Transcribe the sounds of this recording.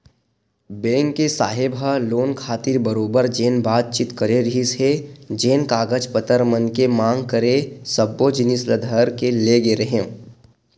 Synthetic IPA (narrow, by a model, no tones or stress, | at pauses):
bẽːŋkːesaːɦɪbəloːnkʰaːt̪iɾbəɾoːbəɾd͡ʒeːnbaːt̪̚t͡ʃit̪kəɾeɾɐɦised͡ʒeːnkaːɡəd͡ʒpət̪əɾmənkemãːŋɡkəɾesəbːod͡ʒɪnɪsləd̪ʱəɾkeleɡeɾɐɦẽ